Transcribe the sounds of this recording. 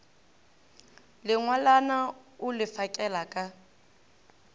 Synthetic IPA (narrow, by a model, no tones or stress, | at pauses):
lɪŋwalanaʊlɪfakʼɛlakʼa